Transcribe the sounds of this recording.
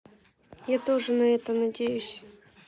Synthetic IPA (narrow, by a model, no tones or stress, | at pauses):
jat̪o̞ʐɨnɐɛt̪ənɐdʲejʊsʲ